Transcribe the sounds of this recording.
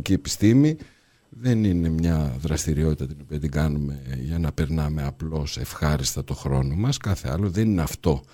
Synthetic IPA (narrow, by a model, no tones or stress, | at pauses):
ciepi̥st̪imi | ðe̞nine̞mɲɐðɾɐst̪iɾio̞t̪it̪ɐt̪ino̞piɐt̪iɡɐnume̞ʝɐnɐpe̞ɾnɐme̞ɐplo̞se̞fxɐɾist̪ɐt̪o̞xɾo̞̰no̞mɐskɐθe̞̰ɐ̰lo̞ðe̞nineɐft̪o̞